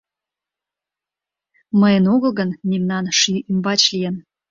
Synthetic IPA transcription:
məjənoɣə̆lɣənmemnɑnʃyymbɑt͡ɕlʲijən

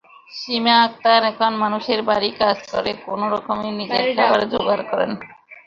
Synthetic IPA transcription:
ʃimeak̚t̪aɾɛkʰonmanuʃeɾbaɾikad͡ʑkɔ̰ɾekonoɾɔkomenid͡ʑekabaɾed͡ʑoɡaɾkɔɾḛn

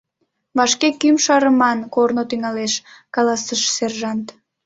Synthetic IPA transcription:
βɑʃkekymʃɑɾəmɑnkornot̪yŋɑleʃkɑlɑsəʃserʒɑnt̪

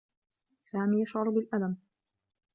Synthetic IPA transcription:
saːmiːjaʃʕɑɾˤbɪlʔad̪am

